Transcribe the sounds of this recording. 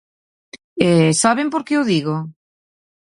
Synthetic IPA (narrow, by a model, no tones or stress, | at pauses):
esaβempoɾkeʊðiɣo